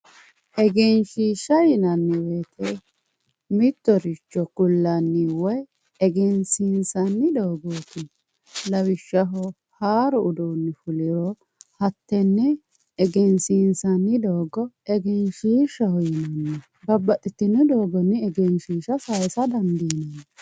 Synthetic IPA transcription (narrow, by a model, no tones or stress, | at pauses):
ʔɛɡɛnʃiːʃɐjɪnɐnːɪwet̪ʰɛ | mɪt̪ːɔɾɪt͡ʃːɔkʊlːɐnːɪwɔj | ɛɡɛnsiːnsɐnːɪd̪ɔːɡoːt̪ɪ | lɐwɪʃːɐɦɔ | haːɾɔʔʊd̪oːnːɪfʊlɪɾɔ | hɐt̪ːɛnːɛː | ɡɛnsiːnsɐnːɪd̪oːɡɔ | ɛɡɛnʃiːʃːɐhɔjɪnɐnːɛ | bɐbːɐt̪ʼːɪt̪ːɪnːɛd̪oːɡɔnːɛɛɡɛnʃiːʃɐsɐjsɐd̪ɐnd̪iːnɐnːɛ